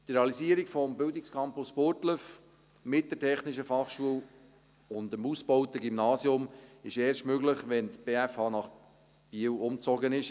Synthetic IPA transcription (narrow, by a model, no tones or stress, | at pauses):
tɾeɑlisiəɾikfɔmbɪldɪkskʰɑmpʊspʊɾtləf | mɪt̚d̥əɾtʰɛχnɪʃ̬əfɑχʃuəl | ʊndəmusbɔʊtəɡimnɑːsjʊmɪʃɛːɾʃtmøɡləχʋɛnt̪b̥eːæfhɑːnɑχ | b̥iəwʊmt͡sɔɡənɪʃ